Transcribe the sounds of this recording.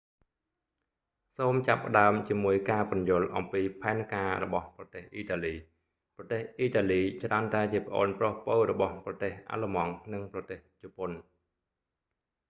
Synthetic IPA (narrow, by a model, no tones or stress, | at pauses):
soːmt͡ɕapːə̆ɗaəmt͡ɕiəmuəjkaːpɑnjʊ̆əlʔɑmpiːpʰaɛnkaːrɔ̰ɓɑhprɑt̪eːhʔiːt̪aːliː | prɑt̪eːhʔiːt̪aːliːt͡ɕraənt̪aɛt͡ɕiəpə̆ʔo̰ːnprohpowrɔɓɑhprɑt̪eːhʔa̰ːləmɑŋnɨŋprɑt̪eːht͡ɕopon